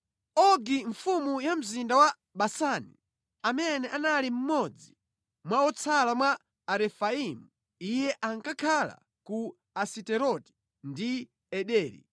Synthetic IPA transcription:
ɔɡiɱfumujam̩zindawa | ɓasanḭ | amɛnɛʔanalim̩mɔd͡zi | mwaɔt͡sʰalamwaː | ɾɛfaimu | ijɛʔaŋkakʰala̰ | ku | asitɛɾɔti̥ | ndi | ɛɗɛːɾḭ

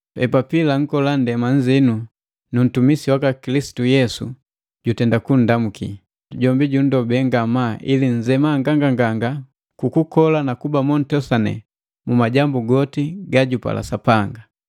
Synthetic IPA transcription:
ɛpapilaŋ̩kɔlandɛmaɲ̩zinu | nun̩tumisiwakakilisi̥tujɛsṵ | ɟutɛndakun̩damukḭ | ɟɔmbiɟun̩dɔbɛŋɡamaʔiliɲ̩zɛmaŋɡaŋɡaŋɡaŋɡa | kukukɔlanakubamɔn̩tɔsanɛ̰ | mumaɟambuɡɔtiɡaɟupa̰lʔa̰sapaŋɡa

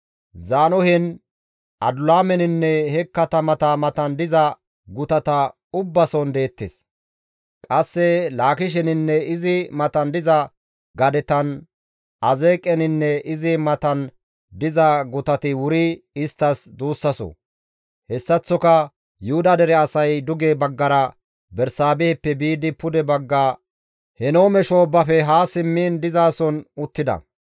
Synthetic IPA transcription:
zaːnɔhɛn | ʔɐd̪ʊlaːmɛnɪnːɛhɛkːɐt̪ɐmɐt̪ɐmɐt̪ɐnd̪ɪzɐ | ɡʊt̪ɐt̪ɐ | ʊbːɐsɔnd̪e̞ːt̪ːes | kʼɐsːɛlaːkɪʃ̬ɛnɪnːɛɪzɪmɐt̪ɐnd̪ɪzɐ | ɡɐd̪ɛt̪ɐn | ʔɐzeːkʼːɛnɪnːɛɪzɪmɐt̪ɐn | d̪ɪzɐɡʊt̪ɐt̪ɪwʊɾɪɪst̪ːɐsd̪uːsːɐsɔ̰ | hɛsːɐt͡sːɔkɐ | jʊhʊd̪ɐd̪ɛɾɛɐsɐjd̪ʊɡeːbɐɡːɐɾɐ | bɛɾsaːbɛɛpːɛbiːd̪ɪpʊd̪ɛbɐɡːaː | hɛnoːmɛʃoːbːɐfɛɦaːsɪmːiːnd̪ɪzaːsɔnʊt̪ːɪd̪ɐ̰

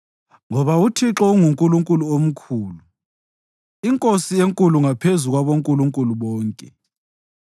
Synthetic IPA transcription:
ŋɔβautʰiǁɔuŋuŋkʼuluŋkʼuluom̩kʰuːlu | iŋkʼosijeŋkʼuluŋapʰezuɣwaβoŋkʼuluŋkʼuluβɔːŋkʼɛ

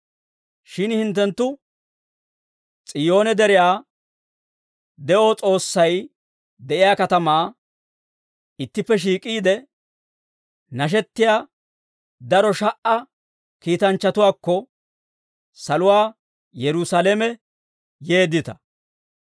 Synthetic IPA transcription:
ʃɪnhɪnt̪ːɛnt̪ːʊ | t͡sʼɪjo̞ːnɛd̪ɛɾɪjaː | d̪ɛʔot͡sʼo̞ːsːɐj | d̪ɛʔɪjaːkɐt̪ɐmaː | ɪt̪ːɪpːɛʃ̬iːkʼiːd̪ɛ | nɐʃ̬ɛt̪ːɪjaː | d̪ɐɾɔʃɐʔɐ | kiːt̪ɐnt͡ʃːɐt̪ʊwaːkːɔ | sɐlʊwaː | jɛɾʊsalɛmɛ | je̞ːd̪ːɪt̪ɐ̥

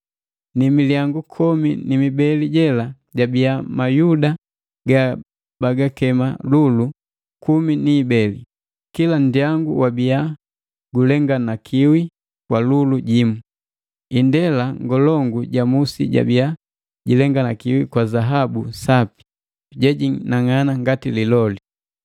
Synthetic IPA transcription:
nimiliaŋɡukʰɔminimibɛliɟɛla | ɟabiamajuda | ɡa | baɡakɛma̰lulu | kuminiːbɛlḭ | kilan̩diaŋɡuwabia | ɡulɛŋɡanakʰiwi | kwaluluɟimu | indɛlaŋɡɔlɔŋɡuɟamusḭɟa̰bia | ɟilɛŋɡanakiwikwazaɦabusapi̥ | ɟɛɟinaŋanaŋɡatililɔli

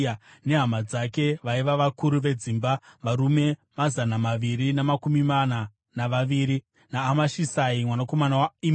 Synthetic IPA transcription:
ne̞ɦamad͡zake̞ʋaiʋaʋakuɾuʋe̞d͡ziːmbaʋaɾume̞mazanamaʋiɾinamakumimana | naʋaʋiːɾi | naːmaʃisaimwanako̞manawaim

